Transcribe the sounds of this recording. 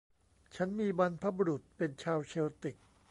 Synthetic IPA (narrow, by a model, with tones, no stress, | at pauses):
t͡ɕʰa˦˥nmiː˧ba˧npʰa˦˥bu˧ɾu˨˩t̪̚pe˧nt͡ɕʰaː˧wsʰeː˧wt̪i˨˩k̚